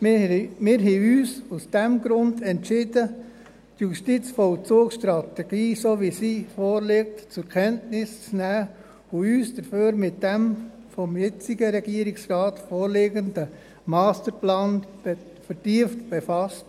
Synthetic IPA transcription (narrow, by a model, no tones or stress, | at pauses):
mmɪɾɦɛyːsusd̥ɛmɡɾʊndɛntʃɪdə | d̥juʃtɪt͡sfɔlt͡suːkʃtɾɑtɛɡ̥iːsoːʋisiːfoːɾleːk̚tt͡sʊɾkʰɛntnɪst͡snæː | ʊyːsd̥əɾføːɾmɪt̚d̥ɛm | fɔmjɛt͡siɡəɾɛɡ̥iəɾɪksrɑːtfoːɾleːɡəndə | mɑːstəɾplɑːn | fəɾtiːəftb̥efɑst